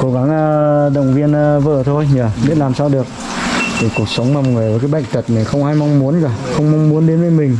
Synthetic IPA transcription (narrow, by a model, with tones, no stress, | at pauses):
ko˨˦ɣa˨˦ŋə˧ɗə̰˧˨wŋ͡mvi˧ənː˧və̰ː˧˨t̪ʰo˧jɲəː˨˩ɓi˦˥t̚laː˨˩msaː˧wɗɨ˨˩ək̚ | t̪ʰi˨˩ku˨˩ək̚sə˨˦wŋ͡mmaː˨˩˨ŋɨ˨˩əjvəː˨˦k̬aː˨˦ɓa̰˧˨jŋ̟t̪ə˨˩t̚na˨˩jxə˧wŋ͡mhaː˧jma˧wŋ͡mmu˨˦ənkaː˧˩xə˧wŋ͡mma˧wŋ͡mmu˨˦ənɗe˨˦nvəː˨˦jmï˨˩ŋ̟